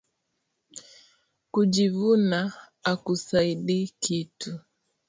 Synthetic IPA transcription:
kuʄivuna | akusaiɗikitu

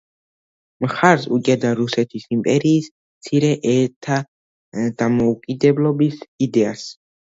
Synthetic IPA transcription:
mχaɾsut͡ʃʼɛd̪aɾusɛt̪ʰisimpʼɛɾiːs | mt̪sʰiɾɛʔɛɾt̪ʰa | d̪̥amɔukʼid̪ɛblˠɔbisid̪ɛas

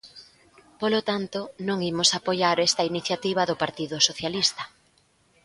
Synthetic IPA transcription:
polot̪ant̪ʊnõŋimʊsapojaɾest̪ɐiniθjat̪iβ̞ɐðʊpaɾt̪iðʊsoθjalist̪ɐ̥

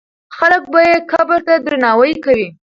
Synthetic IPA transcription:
xalək̚bajekabəɾt̪ad̪ɾanɑwəjkawi

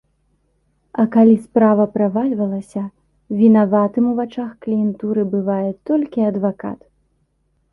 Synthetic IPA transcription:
ɐkalʲispɾavɐpɾavalʲvɐlˠɐsʲɐ | vʲinavat̪ɨmuvat͡ʂaxklʲijɛnt̪uɾɨbɨvajɛt̪ɔlʲkʲiɐd̪vaka̰t̪

